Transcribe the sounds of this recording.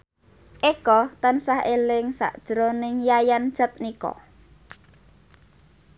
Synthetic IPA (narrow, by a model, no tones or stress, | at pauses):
ʔekɔt̪ansahelɪŋsa̰ʔd̥ʒ̥ɾonɪŋjajan̥ʒ̥ət̪̚nikɔ̰